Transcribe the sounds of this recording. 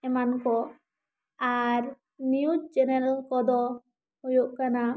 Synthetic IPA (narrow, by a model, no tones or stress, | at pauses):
ɛmankɔ | aɾ | niud͡ʒd͡ʒɛnɛɾalkɔd̪ɔ | hujuʔkana